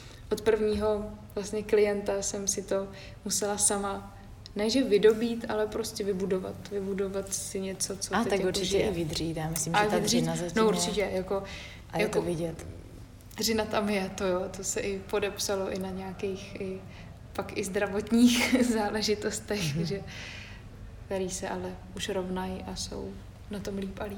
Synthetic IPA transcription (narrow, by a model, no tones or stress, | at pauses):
ʔot̪pr̩vɲiːɦo̞vlast̪ɲɛklɪjɛnt̪asɛmsɪt̪o̞ | musɛlasama | nɛʒɛvɪdo̞biːt̪ʔalɛpɾo̞scɛvɪbudo̞va̰t̪vɪbudo̞vat̪sɪɲɛt͡so̞t͡soat̪t̪akuɾt͡ʃɪʒɛɪvɪd̪riːt̪jaːmɪsliːmaʒɛvad̪rinazɛsnouɾt͡ʃɪcɛjako̞ | ʔajakovɪɟɛt̪ | d̪rɪnat̪amjɛt̪ojot̪o̞sɛʔɪpo̞dɛpsalo̞ʔɪnaɲɛakejxʔɪ | pakʔɪzd̪ɾavot̪ɲiːxzaːlɛʒɪt̪ost̪ɛxʒɛ | kkt̪ɛɾiːsɛʔalɛʔuʃɾo̞vnajiʔaso̞̰w | nat̪o̞mliːpaliː